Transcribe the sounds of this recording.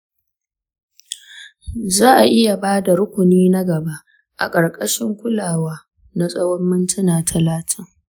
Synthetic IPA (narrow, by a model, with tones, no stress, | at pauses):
zaː˦ʔa˨ʔɪ˦ja˨baː˦da˨ɾʊ˦kʷʊ˨niː˦na˦ɡɐ˨ba˦ʔ | ʔa̰˨kʼɐ˨ɽkʼɐ˦ʃɪ˦ŋkʷʊ˦laː˨waː˦ | na˦sʼɐ˦wɔ˦mːɪ˦ntʰɪ˦naː˨tʰɐ˨laː˦tʰɪ˦ŋ